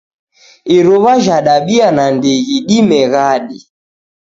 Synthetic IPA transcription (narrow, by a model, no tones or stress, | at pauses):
iɾɔβaʒaɗaɓianandeɣiɗimɛɣaɗi